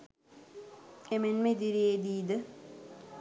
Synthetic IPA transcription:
emenmed̪iɾied̪iːd̪ɨ

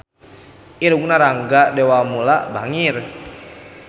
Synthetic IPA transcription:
ʔiɾukunaɾaŋɡadewamulaʔbaŋir

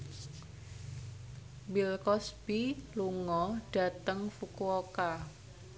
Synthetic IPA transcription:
bilkɔsb̥iluŋɔɖ̥ä̤t̪əŋfukuoka

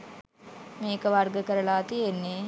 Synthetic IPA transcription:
meːkəʋaɾɡəkəɾɐɭaːt̪ijenːe

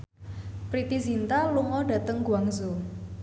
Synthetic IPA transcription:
pɾit̪izint̪aluŋɔɖ̥ä̤t̪əŋɡuaŋzo

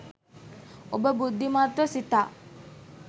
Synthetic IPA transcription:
obəbud̪ʱːimat̪ɾəsit̪aː

